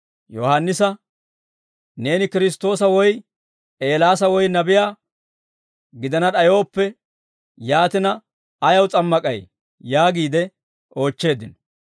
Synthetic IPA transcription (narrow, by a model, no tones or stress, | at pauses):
jɔhanːɪsɐ | ne̞ːnɪkɪɾɪs̬t̪ːo̞ːsɐwɔj | e̞ːlaːsɐwɔjnɐbɪjaː | ɡɪd̪ɐnɐɗɐjo̞ːpːɛ | jaːt̪ɪnɐː | jɐwt͡sʼɐmːɐkʼɐj | jaːɡiːd̪ɛ | o̞ːt͡ʃːe̞ːd̪ɪnɔ̥